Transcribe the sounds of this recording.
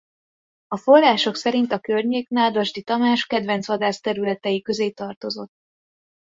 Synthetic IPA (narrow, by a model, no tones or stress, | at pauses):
ɒfo̞rːaːʃo̞ksɛɾint̪ɒkørɲeːknaːd̪ɒʒd̪it̪ɒmaːʃkɛd̪vɛnt̪sʋɒd̪aːst̪ɛɾylɛt̪ɛjikø̞zeːt̪ɒrt̪o̞zo̞t̪ː